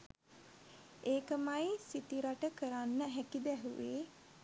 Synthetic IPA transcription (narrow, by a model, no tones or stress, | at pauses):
eːkəmajsit̪iɾaʈəkəɾanːəɦækid̪ɛɦuʋḛː